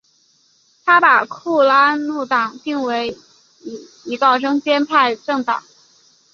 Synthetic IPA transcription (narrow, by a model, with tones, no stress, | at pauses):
t̪ʰa˥pa˨˩kʰu˥˩la˥nu˥˩t̪ɑ˨˩˦ŋt̪i˥˩ŋwe˧˥ɪ˨˩ | i˧˥kɑ˥˩ʊʈ͡ʂɤ˥ŋt͡ɕjɛ˥npʰa˥˧ɪʈ͡ʂɤ˥˩ŋt̪ɑ̰˨˩˦ŋ